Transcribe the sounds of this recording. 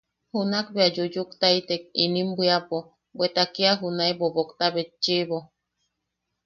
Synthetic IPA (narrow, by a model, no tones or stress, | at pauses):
hunakbead͡ʒud͡ʒukt̪ait̪ek̚inĩmbiapo | bwet̪akiaɦunabobokt̪aβet͡ʃːiβo